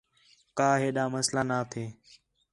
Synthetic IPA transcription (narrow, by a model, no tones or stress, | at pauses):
kaːɦeːɗaːməslaːnaːt̪ʰeː